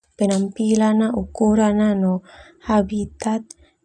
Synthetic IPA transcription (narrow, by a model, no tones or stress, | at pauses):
penampilanaʔukuɾananohabit̪at̪̚